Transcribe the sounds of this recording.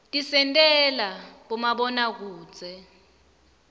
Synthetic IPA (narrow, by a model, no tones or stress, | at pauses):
tʼisɛntʼɛlaɓɔmaɓɔnak̬u̥ːt͡sʼɛ